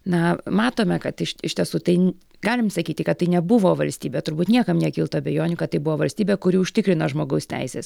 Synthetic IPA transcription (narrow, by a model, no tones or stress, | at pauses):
nɐmɑːt̪oːmʲɛkɐt̪ɪʃɪʃʲt̪ʲiɛsuːt̪ɐɪ | ɡɑːlʲɪmsɐkʲiːt̪ʲɪkɐt̪t̪ːɐɪnʲɛbʊʋoːʋɐlʲsʲt̪ʲiːbʲeːt̪ʊɾbuːt̪nʲiɛkɐmnʲiɛkʲiːlˠt̪oːɐbʲɛjoːnʲuːkɐt̪t̪ːɐɪbʊʋoːʋɐlʲsʲt̪ʲiːbʲeːkʊɾʲiːʊʃʲt̪ʲɪkɾʲɪnoʒmoːɡɐʊsʲt̪ʲɛ̰ɪsʲeːs